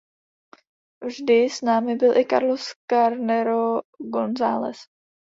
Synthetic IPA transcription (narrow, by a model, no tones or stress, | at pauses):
vʒdɪsnaːmɪbɪlʔɪka̰ɾloskaɾnɛɾoɡonzaːlɛ̰s